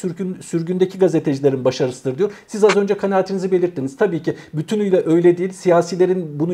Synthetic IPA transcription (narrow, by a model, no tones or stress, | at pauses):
ynsyɾɟynd̪ecʰiɡazet̪ʰe̞d͡ʒilʲeɾinbaʃaɾɯst̪ɯɾd̪ɯjoɾsizazø̞nd͡ʒɛkʰanaːt̪ʰinizibe̞lʲiɾt̪ʰːiniz̥t̪ʰabiːcʰi | byt̪ʰynyjlʲɛʔø̞jlʲɛd̪ijilʲsijaːsilʲeɾinbunu